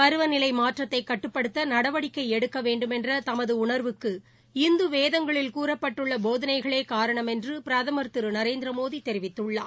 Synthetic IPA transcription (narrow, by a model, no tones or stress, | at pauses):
pɐɾɯʋɐnɪlɐɪmaːʈrɐt̪ːɐɪkːɐʈːɯpːɐɽɯt̪ːɐnɐɽɐʋɐɽɪkːɐɪɛɽɯkːɐʋeːɳɖɯmɛndrɐt̪ɐmɐðɯʊɳɐɾʋɯkːɯ | ɪnd̪ɯʋeːðɐŋɡɐɭɪlkuːɾɐpːɐʈːɯɭːɐboːðɐnɐɪɣɐɭeːkaːɾɐɳɐmɛndrɯpɪɾɐðɐmɐɾt̪ɯɾɯnɐɾeːnd̪ɪɾɐmoːðit̪ɛɾɪʋɪt̪ːɯɭːa̰ː